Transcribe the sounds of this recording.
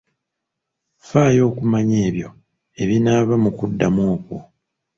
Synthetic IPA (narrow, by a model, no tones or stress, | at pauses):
faːjo̞ːkumaɲe̞ːβjo̞̰ | e̞βinaːβamukudːamoːku